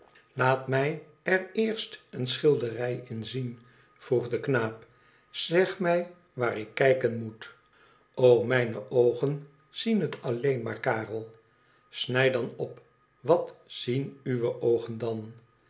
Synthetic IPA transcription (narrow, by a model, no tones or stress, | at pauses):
laːtmɛj | ɛrɪːɹstənsχɪlˠdərɛjɪnzin | v̥ruχdəknaːp | z̥ɛχmɛj | ʋaːrɪkːɛjkənmut | owmɛjnəʔowχən | z̥inɦətʰɑlejnmaːɹkaːrəlˠ | snɛjdɑnɔp | ʋɑtz̥inyʋəʔowχəndɑn